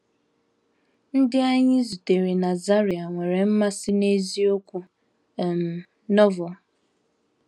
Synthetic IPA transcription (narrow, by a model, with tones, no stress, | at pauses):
n̩˦dɪ˦a˦ɲɪ˦zu˨te˨ɾe˨na˨za˦ɾi˨a˨ŋʷe˨ɾe˨m̩˦ma˦sɪ˦ne˦zi˦o˦kʷu˦˨ | m̩˨ | nɔ˦vɔ˨